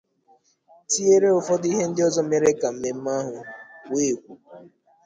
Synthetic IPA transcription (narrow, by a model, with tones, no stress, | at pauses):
ti˦e˦ɾe˦o˨fɔ˦di˦ɦe˦n̩˦dɪ˦ɔ˦zɔ˦me˦ɾe˦ka˨m̩˨me˨m̩˦ma˦ɦʊ˨weː˦˨kʷu˨